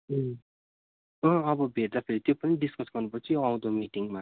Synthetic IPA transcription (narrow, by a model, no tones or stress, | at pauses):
ʌ | ʌ̃ʌbʌbʱeʈ̚d̪apʰeɾit̪jopʌniɖiskʌsɡʌrnupʌt͡sʰiʌw̃d̪omiʈiŋma